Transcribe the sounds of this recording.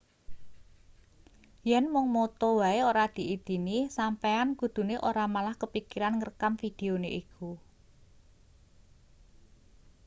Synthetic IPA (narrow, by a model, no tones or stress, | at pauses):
jɛnmʊŋmot̪ɔwaeoɾad̪̥i̤id̪̥i̤nisampeankud̪̥ṳneʔoɾamalahkəpikiɾanŋərkamfid̪̥e̤oneʔikʰu